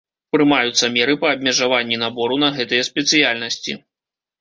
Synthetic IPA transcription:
pɾɨmajut̪sːɐmʲɛɾɨpɐːbʲmʲɛʐavanʲːinabɔɾunɐɣɛt̪ɨjɛspʲɛt̪sɨjalʲnɐsʲt͡sʲḭ

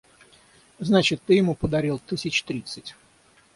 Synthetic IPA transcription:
znat͡ɕɪt̪ːɨjɪmupəd̪ɐɾʲilˠt̪ɨsʲɪt͡ɕt̪ɾʲit̪sɨtʲ

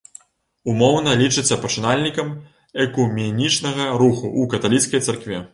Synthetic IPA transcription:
umɔwnɐlʲit͡ʂɨt͡sʲːɐpɐt͡ʂɨnalʲnʲikɐm | ɛkumʲɛnʲit͡ʂnɐɣɐɾuxuʔukɐt̪alʲit̪skɐjt̪sɐrkvʲɛ

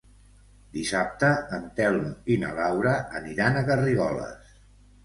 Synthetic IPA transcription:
d̪isap̚t̪əːnt̪ɛlˠminə̰lawɾəːniɾanəɣəriɣɔlə̰s

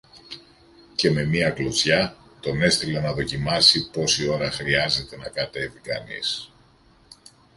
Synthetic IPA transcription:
ce̞me̞miɐklozçɐt̪o̞ne̞st̪ilenɐðo̞cimɐsipo̞sio̞ɾɐxɾiɐze̞t̪e̞nɐkɐt̪e̞vikɐ̰nḭs

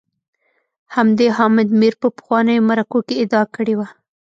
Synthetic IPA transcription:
hamd̪eɦɑmɪd̪miɾpəpə̥xwɑnəjomaɾakokeɪd̪ɑakəɽewa

